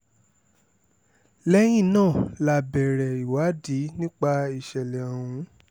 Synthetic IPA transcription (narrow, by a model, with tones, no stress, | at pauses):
lɛ˦j̃ĩ˦˨nãː˦˨la˧˨bɛ˨ɾɛ˨i˨wa˨˦di˨˦nĩ˦k͡pa˧i˨ʃɛ˨lɛ˨a˨w̃ũ˨˧˦